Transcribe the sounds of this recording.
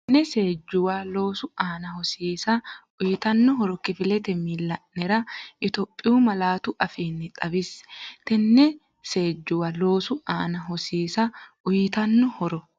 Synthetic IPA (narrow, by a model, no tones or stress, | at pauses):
nːɛseːd͡ʒːʊwalo̞ːsʊaːnɐhɔsiːsɐ | ʊjɪt̪ɐnːɔɦɔɾɔkɪfɪlɛt̪ɛmilːɐʔːɛɾɐʔɪt̪ɔpʼːɪuːmɐlaːt̪ʊʔɐfiːnːɪᶑ̪ʼɐbɪst̪ɛnːɛ | se̞ːd͡ʒːʊwɐlo̞ːsʊʔaːnɐɦɔsiːsɐ | ʊjɪt̪ɐnːɔhɔɾɔ